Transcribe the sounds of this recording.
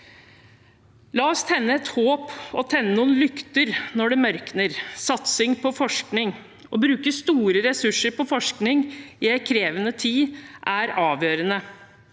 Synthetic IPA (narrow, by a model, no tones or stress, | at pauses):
lɑɔst̪ʰɛnːəɛt̪hoːpɔt̪ʰɛnːənuːnlʏkt̪əɾnɔɖɛmœɾknəɾsɑt̪sɪŋpʰɔfɔʂknɪŋ | ɔbɾʉːkəst̪uːɾəɾɛsʉʂːəɾpɔfɔʂknɪŋɪɛkʰɾeːʋənət̪ʰiːʔæɾɑːʋjøːɾənə